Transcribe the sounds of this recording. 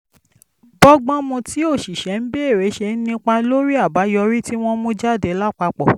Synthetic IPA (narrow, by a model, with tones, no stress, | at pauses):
bɔ˦ɡ͡bɔ̃˦mũ˧ti˨˦o˦˨ʃi˨ʃɛ˨˦n̩˦be˦e˦˨ɾe˨˦ʃe˧n̩˦nĩ˦k͡pa˧lo˦ɾi˦a˦˨ba˨˦jɔ˧ɾi˦ti˦w̃ɔ̃˦mũ˦d͡ʒa˦˨de˨˦la˦k͡pa˧k͡pɔ˦˨